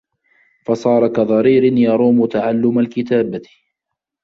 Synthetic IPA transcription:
fɑsˤɑːɾˤɑkaðˤɑɾiːɾɪnjɑɾˤuːmʊt̪aʕalːʊmalkɪt̪aːba

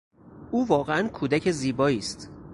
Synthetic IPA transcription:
ʔuːvɒːɣeænkʰuːd̪æcʰe̞ziːbɒːiːst̪

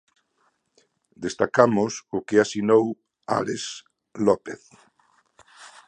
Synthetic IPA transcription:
d̪est̪akamʊsʊkeasinow | a̰les | lɔpeθ

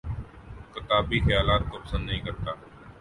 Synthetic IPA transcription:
kɪt̪aːbiːxəjaːlaːt̪̚koːpəsə̃nd̪ːəɦĩːkəɾt̪aː

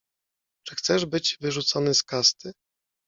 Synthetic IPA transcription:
t͡ʂɘ̥xt̪sɛʐbɘd͡ʑvɘʐut̪sɔnɘskast̪ɘ

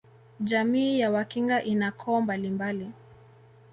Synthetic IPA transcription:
ʄamiːjawakiŋɡaʔinakʰɔːmbalimbali

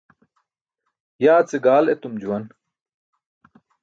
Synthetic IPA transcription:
jaːt͡seɡaːlet̪umd͡ʑuwɐn

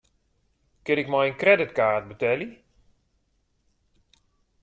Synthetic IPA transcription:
kɪɾɪkmɔjənkrɛdɪtkaːrt̚bətɛli

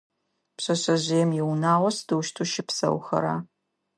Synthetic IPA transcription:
pɕɐɕɐʑɪjɛmjɛwnaːwʷɐsdɨwʃtʰuʃɪpsɐ̰wxɐ̰ɾa̰ː

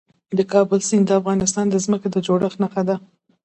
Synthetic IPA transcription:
d̪əkɑbəlsind̪əafɣɑnɪst̪ɑnd̪əzməked̪əd͡ʒoɽəxnaxad̪a

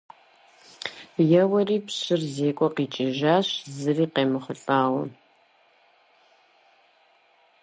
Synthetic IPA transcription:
jɛwɐriːpɕɪrzeːkʷʼɔqiːt͡ʃʼɪʒaːɕzɨriːqeːmɨχəɬʼaːwɐ̰

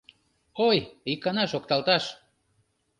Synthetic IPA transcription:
ojikːɑnɑʃokt̪ɑlt̪ɑʃ

